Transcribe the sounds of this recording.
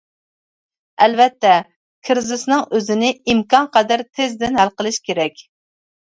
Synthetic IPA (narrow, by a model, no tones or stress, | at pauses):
ɛlvɛt̪ːɛ | kʰɨɾzɨsnɨŋøzɪnɪimkɑnqɑd̪æɾt̪ʰɪzd̪ɪnhælqəlˠɨʃkʲʰeɾɛkʲ